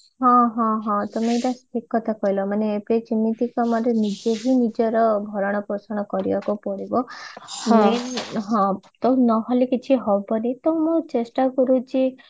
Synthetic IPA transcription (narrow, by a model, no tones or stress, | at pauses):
ɦɔ̃ɦɔ̃ɦɔ̃t̪ɔmeʈasikːɔt̪ʰakɔjlɔmaneːpet͡ʃinːit̪ikɔmɔɾenid͡ʒeɦinid͡ʒɔɾɔbʱɔɾɔɽ̃ɔpɾɔsɔɽ̃ɔkɔɾibakupɔɽibɔ | meɦɔ̃t̪ɔnɔɦɔlekit͡ʃʰiɦɔbɔnet̪ɔmot͡ʃesʈakɔɾut͡ʃʰi